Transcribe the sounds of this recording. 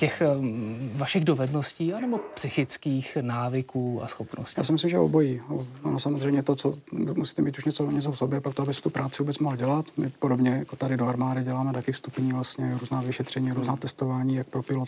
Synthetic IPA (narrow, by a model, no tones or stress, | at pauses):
cɛx | vaʃɪɣdo̞vɛdno̞sciːanɛbo̞psɪxɪt͡skiːxnaːvɪkuːa̰sxopno̰sjaːsɪmɪs̬limʒɛo̰bojiːoanosamozrɛjmɲɛt̪ot͡somusi̥ːt̪ɛmiːt̪uʃɲɛt͡soɲɛt͡sofsobjɛpokt̪oabɪst̪upɾʔaːt͡sɪvuːbɛt͡smoɦl̩ɟɛlat̪mɪpodobɲɛjakot̪adɪdoaɾmaːdɪɟɛlaːmɛt̪akɪfst̪upɲiːvlast̪ɲɛɾuːznaːvɪʃɛt̪r̝̥ɛɲiːaɾuːznaːt̪ɛst̪ovaːɲiːjak̚pɾopɪlo